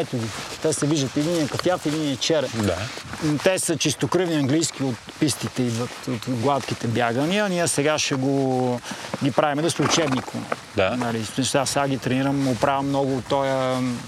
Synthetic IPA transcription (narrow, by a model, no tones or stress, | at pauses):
ɛt̪ʊɡʲit̪ɛsɛviʒd̪ət̪id̪iniəkɐfjafid̪iniət͡ʃɛɾɛd̪at̪ɛsət͡ʃist̪okɾɯvniɐŋɡlijsk̟ʲiot̪pist̪it̪ɛid̪vɐt̪ot̪ɡlˠat̪k̟it̪ɛbjaɡəniəniəsɛɡaʃɛɡo | ɡʲipɾavimɛd̪ɐsʊt͡ʃɛbnikʰʊnɛ̰ | d̪anɐlisɛʃasaɡʲit̪ɾɛniɾəmʊpɾavʲɐmːnɔɡʊːt̪ːɔjə